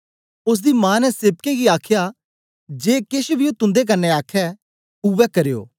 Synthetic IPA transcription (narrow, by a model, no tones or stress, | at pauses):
ʊs̬d̪imãːnɛsɪːb̚keɡiaːkʰja | d͡ʒeːkɪʃbʱiot̪ʊ̃nd̪ek̬ɐnːeaːkʰɛ | uʋɛkɐɾejo̰ː